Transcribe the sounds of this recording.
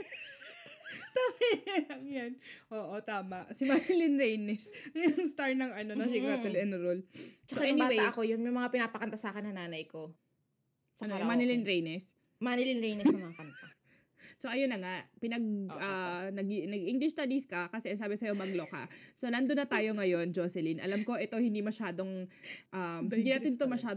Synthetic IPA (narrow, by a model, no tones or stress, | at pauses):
t̪aːɐllɐŋjanʔoːʔot̪aːmɐʔsɪmanɪlɪnɾejnɛsŋjʊŋst̪aɹnɐŋɐnonɐsɪkat̪ɐlɛnɾolt͡ʃɐkoajɛʊŋnbaːweajʔɐko̞jʊnmɛmɐŋapɪnapɐkɐnt̪asaːkɪnːɐnaːnɐjko̞ | sɐnomanɪlinɾejnɛs | manɪlinɹejnɛnɐmɐŋakɐnt̪a | so̞ʔɐjonːɐŋaʔpɪnɐɡ̚ɐnɐɡnɐɡʔiŋɡlɪʃst̪ad̪iskɐkɐsɛʔɐŋs̬aːbɛsɐjo̞mɐɡlokɐ̰solɐnd̪onːɐt̪aːjoŋɐjo̞nd͡ʒosɛlinʔɐ̰lamko̞ʔɛt̪o̞hɪnd̪imɐʃaːd̪o̞ŋʔɐmhnd̪iːnɐt̪ɪnt̪omɐʃaːd̪